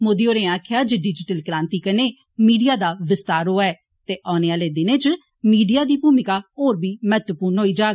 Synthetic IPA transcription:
moːd̪iːoːɾẽːaːkʰjaːd͡ʒeːɖɪd͡ʒɪʈəlkɾãːnt̪iːkəneː | miːɖijaːd̪aːʋɪst̪aːɾɦoːaɛː | t̪eːʔaːneːaːleːd̪ɪnẽːt͡ʃ | miːɖijaːd̪iːbuːmɪkaːoːɾbʱiːmət̪ʋəpuːɾnɦoːiːd͡ʒaː

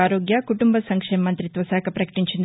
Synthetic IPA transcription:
aːɾoːɡjɐkuʈumbɐsɐŋkʂeːmɐmɐnt̪ɾit̪ʋɐsaːkʰɐpɾɐkɐ̥ʈiɲt͡ʃind̪

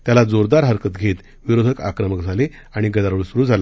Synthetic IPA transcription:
t̪jalad͡zoɾd̪aɾɦəɾkət̪ɡʱet̪ | ʋiɾod̪ʱəka̰kɾəməkd͡zʱale | aɽ̃iɡəd̪aɾəɭsuɾuːd͡zʱala

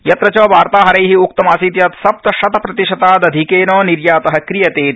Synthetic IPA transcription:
jɐt̪ɾɐt͡ʃoːʋaːɾt̪aːɦɐɾɐjɦiuk̚t̪ɐmaːsiːt̪jaːt̪sɐp̚t̪ɐʃɐt̪ɐpɾɐt̪iʃɐt̪aːd̪ɐd̪ʱikeːnoːniɾjaːt̪ɐɦɐkɾijɐt̪eːt̪̚

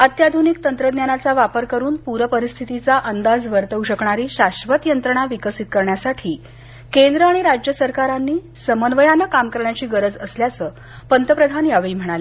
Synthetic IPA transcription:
ət̪jad̪ʱunikt̪ənt̪ɾəd̪njanat͡saʋapəɾkəɾuːnpuɾəpəɾist̪ʰit̪it͡saʔənd̪ad͡zʋəɾt̪əuɕəkɳaɾiːɕaɕʋət̪jənt̪ɾəɽ̃aʋikəsit̪̚kəɾɳjasaʈʰiː | kend̪ɾəaɽ̃iɾad͡ʑjəsəɾkaɾanːiː | səmənʋəjanəkamkəɾɳjat͡ɕiːɡəɾəd͡zəsljat͡səː | pənt̪əpɾəd̪ʱanjaʋiːm̤əɽ̃ale

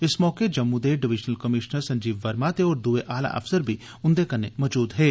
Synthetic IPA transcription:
ɪsmɔːked͡ʒɐmːud̪eɖɪʋɪd͡ʒnəlkɐmɪʃnəɾsɐ̃ɲd͡ʒiːʋːɐɾmat̪eɔːɾd̪uːeʔaːla̰ʔɐ̰fsəɾbʱi | ʊ̃nd̪ekɐɾnemɔːd͡ʒuːd̪ɦeː

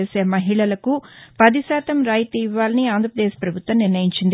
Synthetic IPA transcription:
eːse̞ːmɐɦiɭɐlɐkupɐd̪isɛːt̪ɐmɾaːjt̪ɐiʋːaːlɐniaːnd̪ʱɾɐpɾɐd̪eːʃpɾɐbʱut̪ʋɐmniɾnɐjiɲt͡ʃind̪i

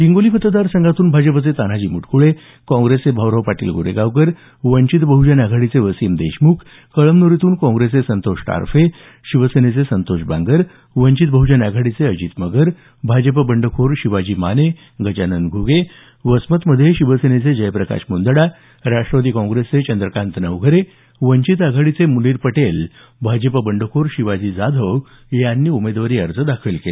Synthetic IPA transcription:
biŋɡolipət̪əd̪aɾsəŋɡat̪uːnbʱad͡ʑəp̬ət͡set̪an̤ad͡ʑiːmuʈkʰuɭe | kɔ̃ŋɡɾesebʱəʋɾəwpaʈḭːlɡʱo̰ɾeɡaʋkəɾ | ʋəɲt͡ɕit̪bʱəɦud͡ʑanjaɡʱaɽit͡seʋəsiːmd̪ḛɕmukʰ | kəɭəmnoɾit̪uːnkɔ̃ŋɡɾesesənt̪oɕʈa̰ɾfe | ɕiʋəsenet͡sesənt̪oɕbʱa̰ŋɡəɾ | ʋəɲt͡ɕit̪̚bʱəɦud͡ʑanjaɡʱaɽit͡seəd͡ʑiːt̪məɡəɾ | bʱad͡ʑəp̬əbəɳɖəkʰoɾɕiʋad͡ʑiːmane | ɡət͡ɕanənɡʱuɡe | ʋəsmət̪məd̪ʱjeɕiʋəsenet͡sed͡ʑəjpɾəka̰ɕmund̪əɽa | ɾaʂʈɾəʋəd̪iːkɔ̃ŋɡɾeset͡ɕənd̪ɾəkant̪nəʋɡʱəɾe | ʋəɲt͡ɕit̪̬aɡʱaɽit͡semuliːɾpəʈel | bʱad͡ʑəpəbəɳɖəkʰoɾɕiʋad͡ʑiːd͡zad̪ʱəʋ | janːiːumed̪ʋaɾiːəɾd͡zəd̪akʰilkele

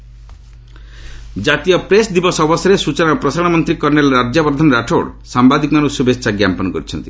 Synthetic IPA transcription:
d͡ʒat̪ijɔpɾesd̪ibɔsɔbɔsɔɾesut͡ʃɔnapɾɔsaɽ̃amɔnt̪ɾikɔɾnelɔɾad͡ʒjɔbɾɔd̪ʱanɔɾaʈʰoɽsambad̪ikmanusjubest͡ʃaɡjampɔnɔkɔɾit͡ʃʰɔnt̪i

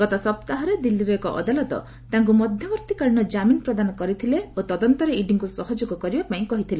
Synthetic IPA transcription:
ɡ̥ɔt̪ɔsɔpt̪aɦɔɾed̪ilːiɾɔekɔʔɔ̰d̪alɔt̪ɔ̰ | t̪aŋk̬umɔd̪ʱjɔbɔɾt̪ikaɭñɔd͡ʒaminɔpɾɔd̪anɔkɔɾit̪ʰileot̪ɔd̪ɔnt̪ɔɾeiɖiŋkusɔɦɔd͡ʒoɡɔkɔɾibapaĩkɔɦit̪ʰile

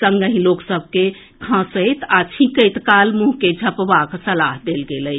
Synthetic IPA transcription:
səŋɡəɦĩloksəb̚ʱke | kʰãsəjt̪at͡ʃʰĩkəjt̪kalmũɦked͡ʒʱəpbaksəlaɦd̪elɡeləj

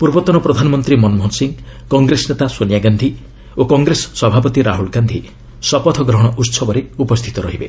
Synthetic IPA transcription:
puɾbɔt̪ɔnɔpɾɔd̪ʱanɔmɔnt̪ɾimɔnmɔɦɔnsiŋ | kɔŋɡɾesnet̪asonjaɡand̪ʱi | okɔŋɡɾesɔ̥sɔbʱapɔt̪iɾaɦuɭɡand̪ʱi | sɔpɔt̪ʰɔɡɾɔɦɔɽ̃ɔʔut̪sɔbɔɾeupɔst̪ʰi̥t̪ɔɾɔɦibḛ

